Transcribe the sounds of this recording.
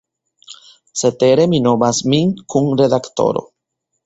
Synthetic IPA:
set̪eɾeminomasmiŋkʰuŋreðakt̪o̰ɾo̰

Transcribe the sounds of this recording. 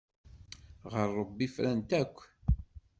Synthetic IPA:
ʁəɾˤːəbːifɾænt̪ækʷː

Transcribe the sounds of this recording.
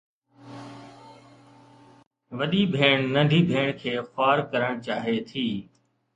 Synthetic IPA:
ʋəɗiːbʱeːɳnə̃ɳɖʱiːbʱeːɳkʰeːxʊaːɾkəɾəɽ̃t͡ʃaːɦeːt̪ʰiː

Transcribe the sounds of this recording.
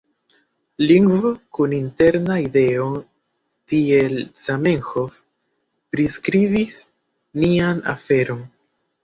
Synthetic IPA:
liŋɡvo̞kuninte̞ɾnaide̞o | tie̞lsamenxo̞f | pɾiskɾivis | niana̰fe̞ɾo̞n

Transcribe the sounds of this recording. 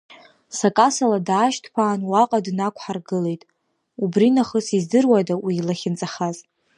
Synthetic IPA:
sakʼasaladaːʃtʰpʰaːnwaqʼadnakʷʰħarɡɨle̞jtʼ | ubrinaχəsizdɨrwadawiːlaχʲɪnt͡sʼaχaz

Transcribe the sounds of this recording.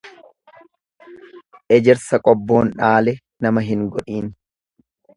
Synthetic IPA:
ʔɛd͡ʒɛɾsɐkʼɔbːo̞ːnᶑaːlɛ | nɐmɐɦɪŋɡɔᶑiːn

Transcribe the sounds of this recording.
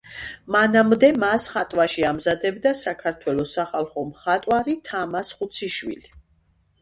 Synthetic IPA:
manamd̪ɛmasχat̪ʼwaʃiamzad̪ɛbd̪asakʰaɾt̪ʰwɛlɔsaχalˠχɔmχat̪ʼwaɾit̪ʰamasχut̪sʰiʃwḭli

